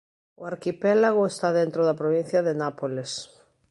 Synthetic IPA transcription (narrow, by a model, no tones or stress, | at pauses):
ʊaɾkipɛlaɣoest̪aðent̪ɾoðɐpɾoβin̟θjɐðenapoles